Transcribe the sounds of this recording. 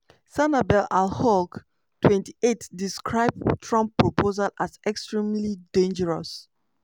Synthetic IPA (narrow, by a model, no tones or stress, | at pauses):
sanabɛlalhɔk | twɛ̃nti̥etdiskʰɹaɪb̚tʰɹɔ̃mpːɹɔpʰozalazɛkstɹĩmlidẽnd͡ʒəɹɔs